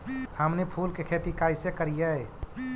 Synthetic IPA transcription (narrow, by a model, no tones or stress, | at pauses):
həmnepʰuːlkekʰet̪ikaːɪsekəɾijae